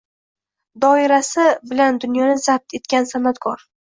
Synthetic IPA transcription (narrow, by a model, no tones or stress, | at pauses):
d̪ɒɪɾasɪbɪland̪ʊnjɒnɪzap̚t̪ʰe̞t̪kʲansamat̪kʰɒɾ